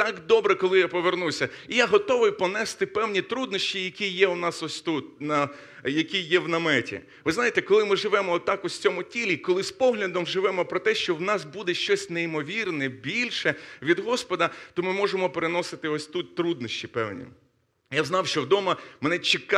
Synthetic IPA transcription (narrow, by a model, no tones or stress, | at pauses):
t̪ɑkd̪ɔbɾɛkɔlˠɪjapɔʋernusʲɐijaɦɔt̪ɔʋɪjpɔnɛst̪ɪpɛwnʲit̪ɾud̪nɔʃt͡ʃʲijɐkʲijɛwnɑsɔsʲt̪ut̪̚ʲnɐ | jɐkʲijɛwnɐmɛtʲḭ | ʋɪznajet̪ɛkɔlˠɪmɪʒɪʋɛmɔɔt̪ːɑkʊsʲt͡sʲɔmʊtʲilʲikɔlˠɪspɔɦlʲɐd̪ɔmʒɪʋɛmɔpɾɔt̪ɛʃt͡ʃɔwnɑsbud̪ɛʃt͡ʃɔsʲneimɔʋʲirnɛbʲilʲʃɛʋʲid̪ɦɔspɔd̪ɐt̪ɔmɪmɔʒemɔpeɾenɔsɪt̪ɪɔsʲt̪ut̪̚ʲt̪ɾud̪̚nɔʃʲt͡ʃipɛ̰wnʲḭ | jaznɑwʃt͡ʃɔwd̪ɔmɐmɛnɛt͡ʃɪk